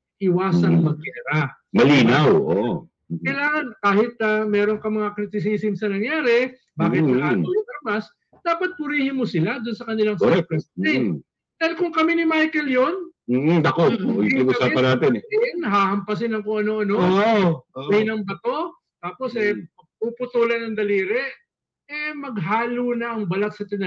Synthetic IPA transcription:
ʔɪwaːsɐŋmɐɡ̚ʔɛɾɐ | mɐliːnawʔo | kɐjlaːŋɐnkaːhɪt̪̚amɛːɾoŋkɐmɐŋakɾɪt̪ɪs̬iːsɪmsɐnɐŋjaːɾɛ | baːɪlɐʔ̪ːojɐt̪ɐɾmas | d̪̥aːpɐt̪̚pʊɾiːhɪnmosɪlad̪ʊnsɐkɐnɪlaŋsɛɛpɛsɛ | d̪̥alkʊŋkɐminɪmajkɛljon̩ːd̪ɐkoiŋʔʊsaːpɐnːaːt̪ɛnɪnɦaːhɐmpɐs̬ɪnɐŋkʊŋʔɐno̞ʔɐno | ɪnɐŋbɐt̪o̞ | t̪aːpo̞sʔɛ | pupʊt̪uːlɐnɐŋd̪ɐliːɾɛ | ɛmɐɡɦaːlunɐʔɐŋbɐlak̚sɐt̪ɪnɐ

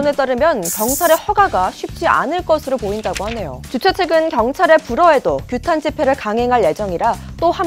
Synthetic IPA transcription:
ne̞t͈aɾɯmjʌnkjʌŋt͡ɕʰaɾe̞hʌɡaɡaɕʰɥip̚t͡ɕ͈ia̰nɯɭk͈ʌsʰɯɾopoindaɡohane̞jo̰t͡ɕut͡ɕʰet͡ɕʰeɡɯnkjʌŋt͡ɕʰaɾe̞puɾʌe̞dokjutʰand͡ʑipʰe̞ɾɯɭkaŋɦe̞ŋɦaɭje̞d͡ʑʌŋiɾa | t͈oha

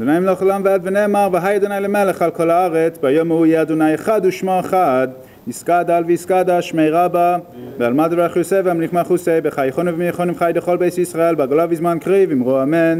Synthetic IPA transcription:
znaɪmlɔχɔlamvɛbvɪnɛmaʁvɪɦajadunajləmɛləχalˠkʰɔlaaʁɛt͡sbajɔmujeadunajaχaduʃmɔaχad | ɪskadalˠviiskadaʃmeɪʁaba | bɪalˠmadvɛaχjusɛvamliχmaχusebɪχajχɔnɪvɪmiəχɔnɪmχajdɪχɔlˠbeɪsisʁaɛlbaɡolavizmankʁivɪmʁuamɛn

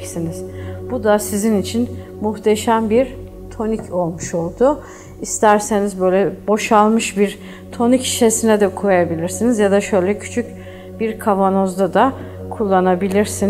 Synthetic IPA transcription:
siniz̥bud̪asizinit͡ʃʰin | muxt̪ʰeʃæmbiɾ | t̪ʰo̞nicʰo̞lˠmuʃo̞lˠd̪ʊ | ist̪ʰæɾse̞nizbø̞jlʲɛbo̞ʃalˠmɯʃbiɾ | t̪ʰo̞nicʰi̥ʃesinɛd̪ɛkʰojajabilʲiɾsinizjad̪aʃø̞jlʲɛcʰy̥t͡ʃʰyc | biɾkʰavanozd̪ad̪a | kʰulˠːanabilʲiɾsin

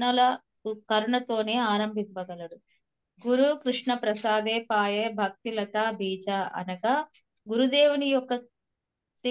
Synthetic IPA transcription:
nɐlɐ | kɐɾɐɳɐt̪o̞ːne̞ːaːɾɐmbʱimpɐɡɐlɐɽu | ɡuɾukɾiʂɳɐpɾɐsaːd̪eːpaːjeːbʱɐk̚t̪ilɐt̪aːbʱiːd͡ʒaːʔɐ̰nɐɡa | ɡuɾud̪eːwunijɔkːɐ | i

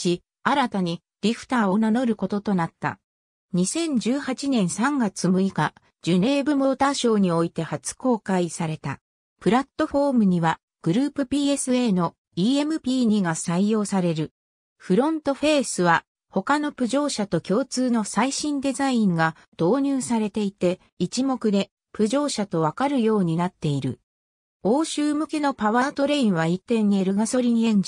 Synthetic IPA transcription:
ɕi | aɾat̪aɲ̟i | ɾʲiɸɯ̟̥t̪aːo̞nano̞ɾɯ̟ko̞t̪ot̪o̞nat̪ːa̰ | ɲ̟isẽ̞ɲ̟d͡ʑɨːhat͡ɕinẽ̞ɰ̃sãŋɡat͡sɨmɯ̟ika | d͡ʑɨne̞ːbɯ̟mo̞ːt̪aɕo̞ːɲ̟io̞it̪e̞hat͡sɨ̥ko̞ːkaisaɾe̞t̪a̰ | pɯ̟ɾat̪ːo̞ɸo̞ːmɯ̟ɲ̟iβa | ɡ̥ɯ̟ɾɯ̟ːpɯ̟pʲiːe̞sɨe̞ːno̞ | iːe̞mɯ̟pʲiːɲ̟iɡasaijo̞ːsaɾe̞ɾɯ̟ | ɸɯ̟ɾõ̞nt̪o̞ɸe̞ːsɨβa | ho̞kano̞pɯ̟ʑo̞ːɕat̪o̞kʲo̞ːt͡sɨːno̞saiɕĩnd̪e̞zaĩŋɡa | d̪̥o̞ːɲ̟ɨːsaɾe̞t̪e̞it̪e̞ | it͡ɕimo̞kɯ̟d̪e̞ | pɯ̟ʑo̞ːɕat̪o̞β̞akaɾɯ̟jo̞ːɲ̟inat̪ːe̞iɾɯ̟̰ | o̞ːɕɨːmɯ̟ke̞no̞paβaːt̪o̞ɾe̞ĩɰ̃βait̪ːẽ̞ɲ̟ːieɾɯ̟ɡaso̞ɾʲiɲ̟iẽ̞ɲ̟d͡ʑi

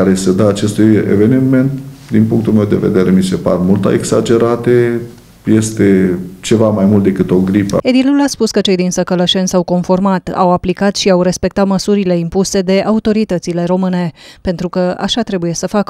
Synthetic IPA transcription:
aɾesed̪aːt͡ʃe̞st̪ujḛve̞nime̞nt̪d̪inpuŋkt̪ulmewd̪e̞ve̞̰d̪e̞ɾemise̞pa̰rmult̪a̰eɡsad͡ʒe̞ɾat̪e | je̞st̪e̞t͡ʃe̞vamajmult̪d̪e̞kɨt̪o̞ɡɾipə̰ed̪iluulaspuskət͡ʃe̞jd̪insəkələʃe̞nsawko̞nfo̞rmat̪a̰waplikat̪ʃiawɾe̞spe̞k̚t̪at̪məsuɾile̞impuse̞d̪e̞ʔaut̪o̞ɾit̪ət̪sile̞ɾo̞mɨne̞pe̞nt̪ɾukəʔa̰ʃat̪ɾe̞buje̞səfakə

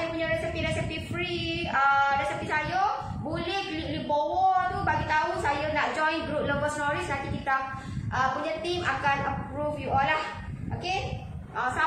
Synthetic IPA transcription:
jəpuɲaɾɛsipiɾɛsipifɾi | əɾɛsəpisajə | bulɛhlilibowɔrt̪ubaɡit̪ausajənaʔd͡ʒɔ̃jnbɾuk̪̚ləbəsnɔɾist̪akikit̪a | ʔəpuɲat̪imakanəpɾufjuʔɔlːah | ʔoke | əsa

